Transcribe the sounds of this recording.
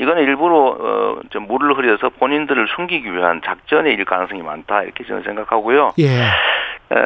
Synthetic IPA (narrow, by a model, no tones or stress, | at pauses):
iɡʌnɯiɭbuɾoʌ̰t͡ɕomːuɾɯɭɦɯɾjʌsʰʌpoɲindɯɾɯɭsʰuŋɡiɡiɥiɦa̰nt͡ɕak̚t͡ɕ͈ʌne̞iɭkanŋsʰɯŋima̰ntʰaḭɾʌkʰet͡ɕomsʰe̞ŋɡakʰaɡojoj